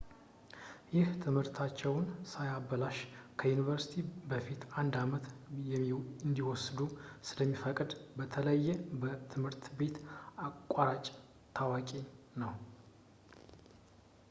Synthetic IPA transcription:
jɪht̪ʰɨmhɨɾt̪ʰat͡ʃːɛwnsajabəlaʃkʰəjunivəɾsi̥t̪ʰibəfit̪and̪amət̪jɛɨnd̪iwɔsd̪usɨləmːifəkʼd̪bət̪ʰələjːɛbət̪ʰɨmhɨɾt̪be̞t̪akʷʼːaɾat͡ʃʼ | t̪ʰawakʼe | nəw

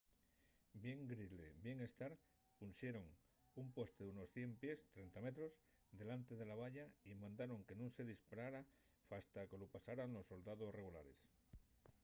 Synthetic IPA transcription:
bje̞ŋɡɾilḛbje̞ŋe̞st̪aɾ | punsjeɾo̞ŋ | umpwe̞st̪euno̞sθje̞mpje̞st̪ɾe̞nt̪amet̪ɾo̞z | d̪e̞lant̪e̞ðe̞laβ̞aʎaimãnd̪aɾo̞ŋke̞nũŋse̞ðispaɾaɾa | fast̪akelopasaɾanlo̞sːo̞ld̪aðo̞sre̞ɣula̰ɾe̞s

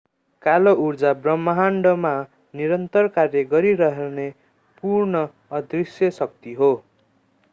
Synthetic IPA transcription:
kalourd͡zabrʌmːʌɦaɳɖʌma | niɾʌnt̪ʌrkarjʌɡʌɾiɾʌɦene | purnʌː | d̪risjʌsʌk̚t̪iɦo

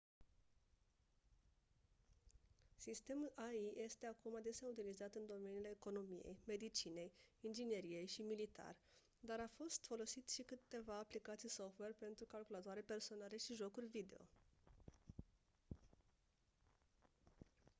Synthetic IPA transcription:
sist̪e̞mulʔaijʔe̞st̪e̞akumad̪e̞seaut̪ilizat̪ɨnd̪o̞me̞nile̞ːko̞no̞mije̞̰jme̞d̪it͡ʃine̞jind͡ʒine̞ɾije̞jʃimilit̪a̰rʲ | d̪aɾafo̞st̪fo̞lo̞sit̪ʃikɨt̪ːe̞vaːplikat̪sijso̞ft̪we̞rpe̞nt̪ɾukalkulat̪oaɾepe̞rso̞nale̞ʃiʒo̞kurʲvid̪e̞o̞̰

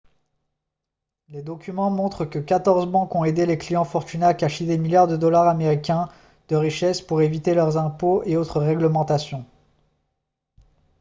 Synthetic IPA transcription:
led̪ɔkʲymɑ̃mɔ̃t̪χəkəkat̪ɔʁzbɑ̃kɔ̃ed̪eleklijɑ̃fɔʁt̪ynakaʃid̪emiljaʁd̪əd̪ɔlaʁameʁikʲɛ̃ | d̪̥əʁiʃɛspuʁevit̪elœʁzɛ̃poeot̪χəʁɛɡləmɑ̃t̪asjɔ̃

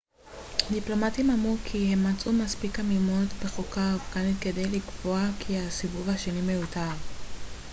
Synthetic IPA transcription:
diplo̞matimamʁukʰihe̞mːat͡sumaspikamimotbeχokavkanitke̞de̞jlikvoakʰiasivuvhaʃenime̞jutaʁ

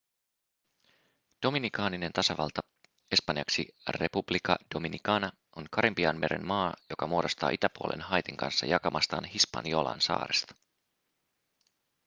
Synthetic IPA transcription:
d̥o̞minikɑːnine̞nt̪ɑsɑʋɑlt̪ɑ | e̞spɑnjɑksire̞publikɑd̥o̞minikɑːnɑ | o̞nkɑɾimpiɑnme̞ɾe̞̰nmɑːjo̞kɑmuo̞do̞st̪ɑ̰ːʔit̪æpuolʔe̞̰nɦɑjt̪iŋkɑ̰nsːɑ̰jɑkɑmɑst̪ɑ̰ːnhispɑ̰niolɑ̰ːnsɑ̰ːɾest̪ɑ̥

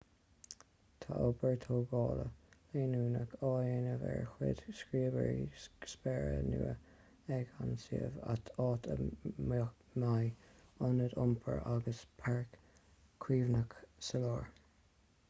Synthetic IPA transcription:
t̪ʰaʔobəɹt̪ʰoːɡɑːləleːnuːnəkʰɑːjenəvɛ̰ɹxwɪ̰d̪̥skɹiːəbəɹispɛɹənuːə | ɛɡansiːəva̰t̪ʰɑːt̪ʰəm | majɔnədʊmpʰəɹʔaɡəspʰaɹk | kʰːwiːvnəksəloːɹ

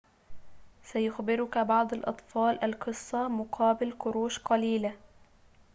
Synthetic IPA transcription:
sajʊxbɪɾʊkabɑʕd̪ˤɑlʔɑ̰t̪ˤfɑːlʔalqɨsˤːɑmʊqʰɑːbɪlkʊɾuːʃqɑliːla

